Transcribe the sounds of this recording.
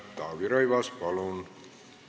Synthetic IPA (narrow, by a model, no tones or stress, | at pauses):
t̪ːɑːʋiɾɑjʋɑspɑlun